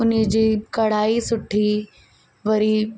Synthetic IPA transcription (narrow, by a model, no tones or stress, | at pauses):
ʊnəd͡ʑiːkɐɽ̤aːisʊʈʰi | ʋɐɾi